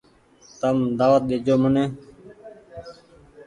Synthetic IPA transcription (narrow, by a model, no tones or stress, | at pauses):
t̪əmd̪aːʋət̪̚ɗeːd͡ʒoːmʊnẽː